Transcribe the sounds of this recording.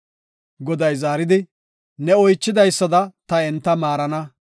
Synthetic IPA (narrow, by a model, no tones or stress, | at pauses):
ɡɔd̪ɐjzaːɾɪd̪ɪ | nɛɔjt͡ʃːɪd̪ɐjsːɐd̪ɐt̪ɐɛnt̪ːɐmaːɾɐnɐ